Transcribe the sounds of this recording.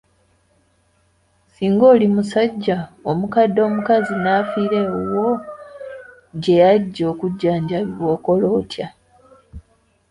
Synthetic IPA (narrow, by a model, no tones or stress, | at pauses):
siːŋɡo̞ːlimusaɟːaomukadːo̞ːmukazinaːfiːɾe̞owo̞ | ɟe̞jaɟːo̞ːkuɟːaːɲɟaβiβwo̞ːko̞lo̞ːtʰja